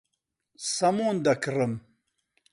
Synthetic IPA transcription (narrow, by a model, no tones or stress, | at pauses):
sɐmuːnd̪ɐkrɨm